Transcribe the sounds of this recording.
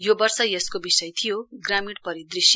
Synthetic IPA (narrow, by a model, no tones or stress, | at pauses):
jobʌrsʌjeskobisʌjt̪ʰijoɡramiɽpʌɾid̪risj